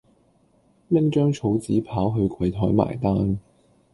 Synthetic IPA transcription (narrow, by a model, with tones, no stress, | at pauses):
lɪ˥ŋt͡ʃœː˥ŋt͡ʃʰo˨˥wt͡siː˨˥pʰaː˨˥wɦɵ˧ɥkʰɐ˨jt̪ʰɔː˨˥jma̰ː˨˩jt̪aː˥n